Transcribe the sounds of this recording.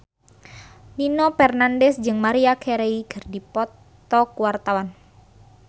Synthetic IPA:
linɔpɛrnandɛsd͡ʒɨŋmaɾiakʰɛɾeiɡ̥ərdipɔt̪ː | ɔkuwart̪awan

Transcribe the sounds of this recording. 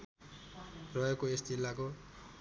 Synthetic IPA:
rʌekoest̪ilːako

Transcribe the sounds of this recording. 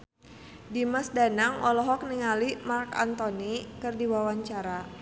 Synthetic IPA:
dimasdanaŋʔɔlɔɦɔk̚niŋalimarka̰nt̪ɔnikɨrdiwawaɲt͡ʃaɾa

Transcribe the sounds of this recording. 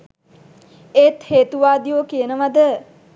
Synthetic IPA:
eːt̪heːt̪uʋaːd̪ijoːkijənəʋad̪ə

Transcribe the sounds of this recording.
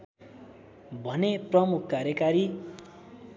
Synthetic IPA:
bʱʌneprʌmukʰkaɾjʌkaɾi

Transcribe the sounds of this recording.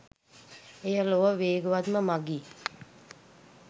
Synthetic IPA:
ejəloʋəʋeːɡəʋad̪məmaɡiː

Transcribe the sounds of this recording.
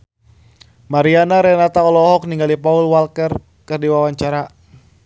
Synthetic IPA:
maɾianaɾɛnat̪aɔlɔɦɔk̚niŋɡalipaulwalkɛr | kɨrdiwawaɲt͡ʃaɾa

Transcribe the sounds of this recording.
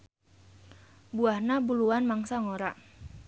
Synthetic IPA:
buahnabuluanmaŋsaŋoɾaʔ

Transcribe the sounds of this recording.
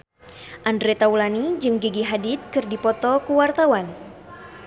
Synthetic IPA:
ʔandɾɛt̪aulanid͡ʒɨŋɡiɡiɦadit̪̚kɨrdipɔt̪ɔkuwart̪awan

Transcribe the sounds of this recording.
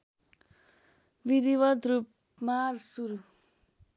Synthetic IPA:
bid̪iβʌd̪rup | marsuɾu

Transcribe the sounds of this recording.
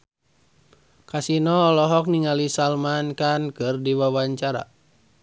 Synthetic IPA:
kasinɔːlɔɦɔk̚niŋalisalmankankɨrdiwawaɲt͡ʃaɾa̰

